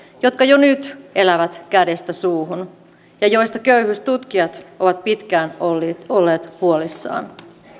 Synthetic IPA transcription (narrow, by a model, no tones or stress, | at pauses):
jot̪kɑjonyt̪elæʋæt̪kæde̞st̪æsuːɦun | jɑjo̞jst̪ɑkøyhyst̪ut̪kiɑt̪ʔoʋɑt̪̚pit̪kæːnolːeːt̪huolisːɑ̰ːn